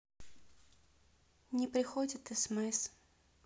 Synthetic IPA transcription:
nʲɪpɾʲɪxodʲɪt̪ɨsmɛs

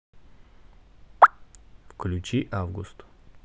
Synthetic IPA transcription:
fklʲʉt͡ɕiʔavɡʊ̰st̪

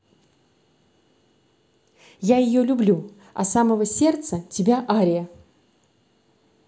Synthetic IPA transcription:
jajɪjolʲʊblʲu | ɐ̰saməvəsʲe̞rt̪sətʲɪbʲaʔaɾʲɪjə

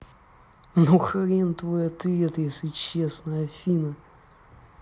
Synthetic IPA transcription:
nuxɐɾʲent̪vojɐt̪ɨɛt̪jesʲlʲɪt͡ɕesnəjɐfʲinə

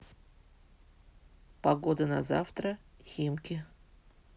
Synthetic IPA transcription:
paɡod̪əna̰za̰ft̪ɾəxʲimkʲɪ

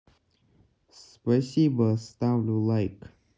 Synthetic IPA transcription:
spɛsibəst̪awlulaɪk

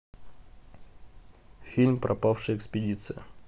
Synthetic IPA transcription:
xʲilʲmpɾʔɐpafʂɨjɛkspʲɪdʲit̪sɨjə

